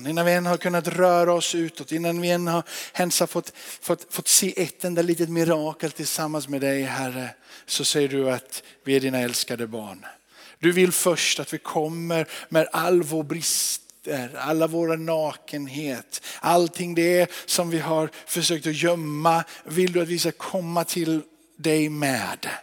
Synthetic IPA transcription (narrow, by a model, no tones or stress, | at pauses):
nɪnːanvɪɛnːhaɾkʰɵnːat̪ɾœːɾaɔsʉ̟ːt̪ɔt̪ɪnːanvɪɛnːhaɾhɛnsafɔt̪ːfɔt̪fɔt̪ːseːʔɛt̪ːɛnd̪aliːt̪ət̪mɪɾɑːkəlt̪ʰɪlsamːansmɛd̪ɛjɦæɾəsɔsɛjːəɖɵat̪vɪæɖiːnaɛlskad̪əbɑ̰ːɳ | d̪ɵvɪlfœʂʈat̪vɪkʰɔmːəɾmɛd̪alːvoːɾbɾɪst̪əɾa̰lːavoːɾanɑːkənɦeːt̪alt̪ʰɪŋːd̪ɛæsɔmvɪɦaɾfœʂøːk̚t̪ɔjœmːavɪld̪ɵat̪vɪskakʰɔmːat̪ʰɪl | d̪ɛjmɛ̰ːd̪